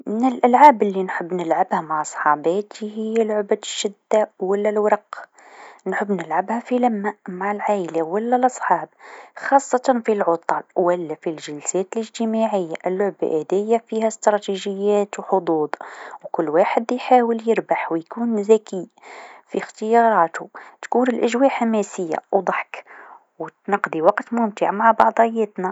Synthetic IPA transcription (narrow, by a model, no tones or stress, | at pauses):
mɪnəlʔælʕaːbəlːinħəbːnəlʕabhæmaʕsˤħɑbɑt̪ihɪjːælʕʊbæd̪ʃːɪd̪ːawəlːælwɑɾˤɑq | nħəbːnəlʕabhæfilæmːæʔmaʕəlʕaʔəlawəlːælʔɑsˤħɑːb̚xɑsˤːɑt̪ɑnfilʕʊt̪ˤɑlwəlːæfilʒəlsɛːt̪əlʔəʒt̪əmaʕəjːaʔəlːʊʕba̰ʔæd̪æjːafihæst̪ɾˤɑt̪iʒəjːæt̪wħod̪ˤuːd̪ˤwkʊlːwaħəd̪jħawəljəɾbaħwjkuːnzækifixt̪əjɑɾˤɑːt̪ut̪kunəlʔæʒwaħamæsəjːa̰wd̪ˤɑħk | wt̪nɑqd̪iwɑqt̪mʊmt̪ə̰ʕmaʕbɑʕd̪ˤjːæt̪næ